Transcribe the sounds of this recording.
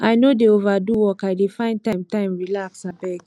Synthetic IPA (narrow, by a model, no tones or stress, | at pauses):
ʔajnodeovaduwɔkaɪdefãɪ̃nd̚tãɪ̃mtãɪ̃mɹilaksabɛɡ